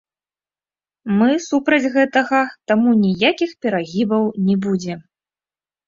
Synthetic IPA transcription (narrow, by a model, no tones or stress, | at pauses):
mɨsupɾɐd͡zʲɣɛt̪ɐɣɐt̪amunʲijakʲixpʲɛɾaɣʲibɐwnʲɛbud͡zʲɛ